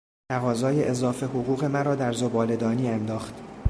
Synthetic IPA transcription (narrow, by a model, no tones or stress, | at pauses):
t̪ʰæɣɒːzɒːjeʔezɒːfe̞ɦoɣuːɣe̞mæɾɒːd̪æɾzo̞bɒːle̞d̪ɒːniːænd̪ɒːxt̪